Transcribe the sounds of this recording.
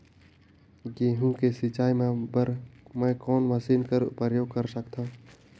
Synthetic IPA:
ɡeɦũkesɪt͡ʃaːimẽbəɾmə̃kɔːnməsiːnkəɾʊ̰pəɾjoːɡ̚kəɾsəkt̪ʰã

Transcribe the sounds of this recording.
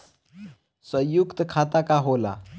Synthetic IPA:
sʋəjukt̪əkʰat̪akaɦola̰

